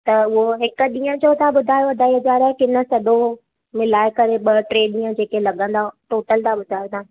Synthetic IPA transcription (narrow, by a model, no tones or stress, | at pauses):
t̪ɐʊɦoɦɪkə̆ɗĩːə̃d͡ʑot̪ʰaɓʊd̪ʱaːjoɐd̪ʱaːiod͡ʑaːɾaːkɪnə̆sɐd̪ʱo | mɪlaːɪkɐɾeɓɐʈɾeːɗɗĩːə̃d͡ʑeːkelɐɠə̃nd̪aʈoːʈəlt̪ʰaɓʊd̪ʱaːjot̪ʰãː